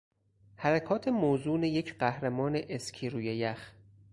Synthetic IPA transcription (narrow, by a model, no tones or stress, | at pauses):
hæɾækʰɒːt̪ʰemoːzuːnejecʰɢæhɾemɒːneʔescʰiːɾuːjejæx